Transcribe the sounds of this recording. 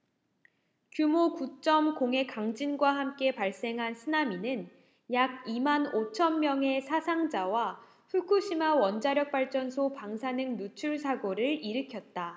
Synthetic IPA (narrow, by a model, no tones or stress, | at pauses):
kjumokut͡ɕ͈ʌmkoŋɦe̞kaŋd͡ʑinɡwaɦamk͈e̞paɭs͈e̞ŋɦansʰɯnaminɯn | jaɡ̚imanot͡ɕʰʌnmjʌŋe̞sʰasʰaŋd͡ʑawa | ɸukʰuɕʰimawʌnd͡ʑaɾjʌk̚p͈aɭt͡ɕ͈ʌns̬ʰopaŋsʰanɯŋnut͡ɕʰuɭsʰaɡoɾɯɭiɾɯkʰjʌt̚t͈a